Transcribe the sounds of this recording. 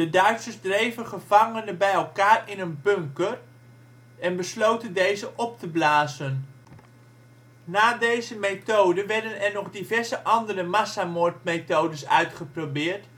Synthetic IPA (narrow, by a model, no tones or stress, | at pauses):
dədœɥtsəzdrejvəχəv̥ɑŋənəbɛjɛlˠkaːrɪnənbɵŋkər | ɛnbəslowtəndejzəʔɔp̚təblaːzən | naːdejzəmejtowdəʋɛɹdənɛɹnɔχdivɛɹzəʔɑndəɾəmasamʊɹt̚mejtowdəsœ̰ɥtχəprowbɪːɹt